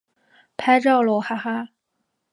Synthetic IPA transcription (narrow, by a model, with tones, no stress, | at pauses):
pʰa˥ɪʈ͡ʂɑ˥˩ʊlwɔ˨˥˩xa˥xa˥